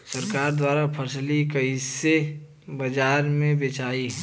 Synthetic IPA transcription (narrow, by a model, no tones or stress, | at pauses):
səɾkaːɾd̪waːɾapʰəslikəise | bəd͡ʒaːɾmẽbet͡ʃaːi